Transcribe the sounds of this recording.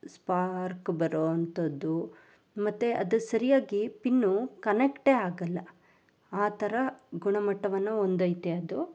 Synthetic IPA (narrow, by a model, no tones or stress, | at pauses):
spaːɾkbɐɾoːɐnt̪ɐd̪u | mɐt̪ːeʔɐd̪usɐɾijaːɡipinːukɐnekʈe̞ːaːɡɐlːɐ | aːt̪ʰɐɾɐɡuɳɐmɐʈːɐʋɐnːɐond̪ɐjt̪eɐd̪u